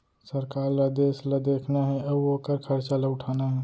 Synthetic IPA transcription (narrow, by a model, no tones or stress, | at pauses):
sɐɾkaːɾlad̪eːslɐd̪eːkʰnaɦɛɐbokəɾkʰɐɾt͡ʃalaʊʈʰaːnaɦɛː